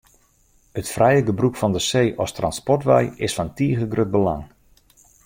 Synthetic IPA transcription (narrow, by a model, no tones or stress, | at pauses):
ətfrɛjəɡəbrukfɔndəseːʔɔstrɑnspɔrtʋɛ̰jɪsfɔntiːɣəɡrøt̚bəla̰ŋ